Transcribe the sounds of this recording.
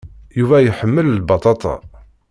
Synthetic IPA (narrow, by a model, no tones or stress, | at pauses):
juvæjħəmːəllbɑt̪ˤɑt̪ˤɑ̰